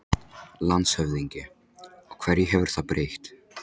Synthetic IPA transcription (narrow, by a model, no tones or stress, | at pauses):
lant̪shœvðiɲcɪ | ɔɣkʰvɛɾjɪɦɛvʏɾ̥θaðpɾeːjxt̪